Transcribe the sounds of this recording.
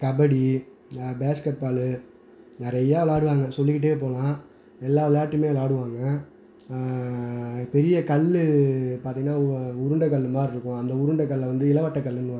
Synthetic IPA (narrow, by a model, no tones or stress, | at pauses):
kɐbɐɽi | baːskɛpːaːlɯ | nɪɾɐjaːlaːɽɯʋaːŋɡɐsɔlːɪkːɪʈ̬ːeːp̬oːlãː | ɛlːaːʋlaːʈːɯmeːlaːɽɯʋaːŋɡɐ | pɛɾɪjɐkɐɭːɯpaːɾt̪iːŋɡɐnaːʊɾɯɳɖɐkɐlːɯmaːɾɪɾɯkːʊ̃ɐnd̪ɐʊɾʊɳɖɐkːɐɭːʋɐnd̪ɯɪlɐʋɐʈːɐkɐlːɯnːɯʋaːɡɐ